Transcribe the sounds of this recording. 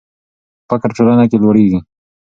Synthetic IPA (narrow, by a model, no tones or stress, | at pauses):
pakaɾʈolanakelwoɽeɡi